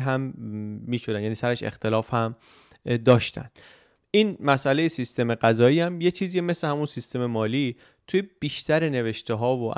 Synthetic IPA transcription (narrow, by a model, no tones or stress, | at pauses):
ɦæmːiːʃod̪ænjæniːsæɾeʃḛxt̪ʰe̞lɒːfhæm | d̪ɒːʃt̪ʰæ̰n̥ | ʔiːnmæsʔælejesist̪e̞meɢæzɒːiːæmje̞t͡ʃʰiːziːeme̞slehæmunsist̪e̞me̞mɒːliː | t̪ʰujeb̥iːʃt̪ʰæɾene̞ve̞ʃt̪eɦɒːvo̰